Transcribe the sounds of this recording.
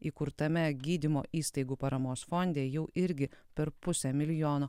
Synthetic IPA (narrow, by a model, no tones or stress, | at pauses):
iːkʊɾt̪ɐmʲɛɡʲiːd̪ʲɪmo̰ːʔiːst̪ɐɪɡuːpɐɾɐmoːsfonʲd̪ʲeːjɛʊʔɪɾʲɡʲɪpʲɛɾpʊsʲɛmʲɪlʲɪjoːnoː